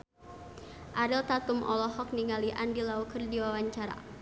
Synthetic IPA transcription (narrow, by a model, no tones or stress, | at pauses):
ʔaɾilt̪at̪ʊmʔɔ̰lɔɦɔk̚niŋaliʔandilaukərdiwawaɲt͡ʃaɾa̰